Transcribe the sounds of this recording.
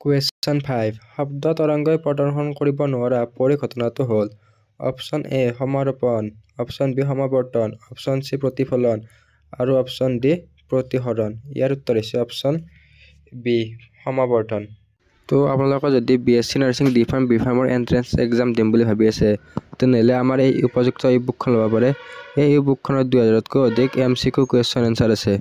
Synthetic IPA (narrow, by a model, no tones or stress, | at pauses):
kwesɔnpʰajbhɔbdɔt̪ɔɹɔŋɡɔjpɹɔdɔɹxʰɔnkoɹibɔnʊwaɹapoɹiɡʱɔtɔnatʊɦol | ɔ̰psɔneɦɔmaɾɔpɔnɔpʰsɔnbiɦɔmabɔɹtɔnɔpʰsɔnsipɹotipʰɔlɔn | aɹuɔpʰsɔndi | pɹotiɦɔɹɔnḭjaɹut̪ːɔɹisɛɔpʰsɔn | bi | hɔmabɔɹʈɔn | tɔa̰punalɔkɔzodibiesinaɹsiŋdipʰaɹmbipʰaɹmɔɹʔɛ̰ntɹɛnsɛ̰kzamdimbulibʱabiasɛt̪ɛnɛlɛamaɹejupɔzuk̚tɔibukʰːɔnlɔbapaɹɛejubukʰːɔnɔdujɦazaɹɔtkood̪ʱikemsikukuesɔnɔnsaɹasɛ